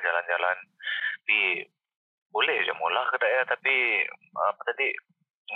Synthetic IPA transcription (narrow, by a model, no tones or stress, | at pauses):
d͡ʒaland͡ʒalanbi | bolɛhd͡ʒa̰molahkədaʔɛrt̪api | pət̪adi